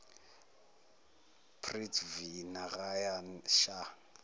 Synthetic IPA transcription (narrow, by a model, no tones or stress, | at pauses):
pʰritvinaɣajanʃa